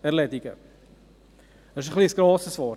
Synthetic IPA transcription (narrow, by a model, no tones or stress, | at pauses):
ɛɾlɛdɪɡə̰ | dɛɪʃəχliəsɡ̥ɾoːsəsvɔɾt